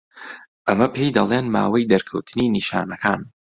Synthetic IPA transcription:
ʔɐmɐpʰejd̪ɐlˠeːnma̰ːwɐjd̪ɐɾkʰɐ̰wt̪ʰɨniːniʃa̰ːnɐkʰaːn

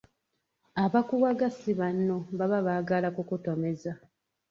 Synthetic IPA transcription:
aβakuwaɡasiβanːo̞βaβaβaːɡalakukutomeza

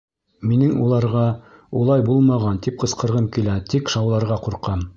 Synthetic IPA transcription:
minɘŋṵlˠɑɾʁɑ | ulˠɑjbulˠmɑʁɑnt̪ip̚qɤ̆sqɤ̆ɾʁɤmkilæt̪ʰikʃɑwlˠɑɾʁɑquɾqɑm

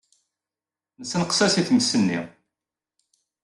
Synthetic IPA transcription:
nəsːnəqsæsiθməsːənːḭ

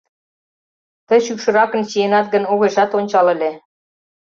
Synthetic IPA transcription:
t̪əɕykʃɤ̆ɾɑkə̆nt͡ɕijenɑt̪ɡə̆noɣeʃɑt̪onʲt͡ɕɑlĕlʲe

